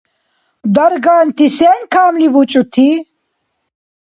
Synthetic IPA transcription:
d̪ɐɾɡaːnt̪ʰiseːnkʰaːmlibut͡ɕʼut̪ʰi

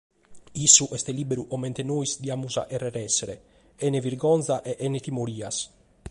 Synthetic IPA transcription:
isːuʔɛst̪ɛlibeɾuʔɔmɛnt̪enoisd̪iaːmuza̰ʔɛrːɛɾɛsːɛɾe | ɛneviɾɡɔnt̪saʔɛʔɛnet̪imoɾiːas

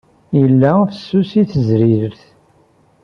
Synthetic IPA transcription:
jəlːæfəsːusiθəzɾiɾəθ

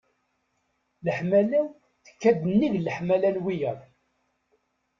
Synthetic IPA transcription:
ləħmælæw | θə̥kːæd̪ənːiʝləħmælælwijəðˤ

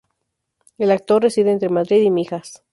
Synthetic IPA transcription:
e̞lak̚t̪o̞rre̞siðeːnt̪ɾemaðɾiðimixas

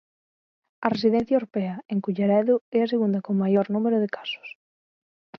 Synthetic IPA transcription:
ɐresiðɛn̟θjaɐwɾopɛɐeŋkuʎaɾɛðʊɛɐs̬eɣund̪ɐkoŋmajoɾnumeɾʊðekḁsʊ̥s

